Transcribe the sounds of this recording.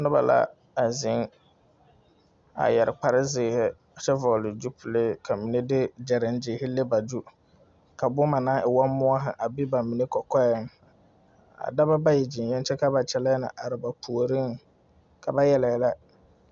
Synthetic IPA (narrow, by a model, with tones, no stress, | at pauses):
nʊ˦ba̰˨la̰˦ | a˨zɪ˦ŋ | a̰˨jɛ˨ɾɪ˨k͡pa˨ɾɪ˦zɪ˨hɪ˦ | a˨t͡ʃɛ˦vɔ˨lɪ˨d͡ʒu˦pʰu˨le˦kʰa˨mi˨ne˦dɪ˦d͡ʒɛ˨ɾɪ˨˦n˦d͡ʒɪː˨˦hɪ˦lɪ˦ba˨d͡ʒu˦ | ka˨bʊ˦ma˨nã˦ɪ˨wɔ˦mmʊ˦a˦ɦɪ̰˨ʔa˨bɪ˦ba˨mi˨ne˦kɔ˨kɔ˦jɛ˦ŋ˨ | a̰˨da˦ba˦ba˦jɛ˨d͡ʒɪ˨njɛ˦n˦t͡ʃɛ˦ka˦ba˨t͡ʃɛ˨lɛ˦nɪ̰˨ʔa˨ɾɪ˨ba˨pʰu˨o˨ɾi˦ŋ | kʰa˨ba˦jɛ˦lɛ˨la˦